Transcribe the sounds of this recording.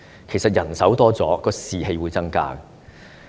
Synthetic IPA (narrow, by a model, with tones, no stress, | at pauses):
kʰe˨˩jsɐ˨t̚jɐ˨˩nsɐ˨˥wt̪ɔː˥t͡sɔː˨˥kɔː˧siː˨he˧jwu˨˧jt͡sɐ˥ŋka̰ː˥